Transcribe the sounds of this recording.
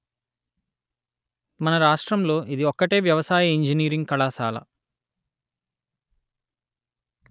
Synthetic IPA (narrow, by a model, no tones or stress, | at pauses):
mɐnɐɾaːʂʈɾɐmlo̞ːʔid̪iɔkːɐʈe̞ːʋjɐʋɐsaːjɐiɲd͡ʒiniːɾiŋɡkɐɭaːsa̰ːlɐ̰